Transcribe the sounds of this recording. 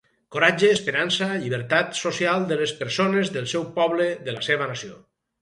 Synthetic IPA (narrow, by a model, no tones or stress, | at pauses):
koɾad͡ʒeːspeɾansaʎiβ̞əɾt̪at̪sosialˠd̪əlespəɾsonezðəlˠsɛwpɔβleðəlaseβənasio̰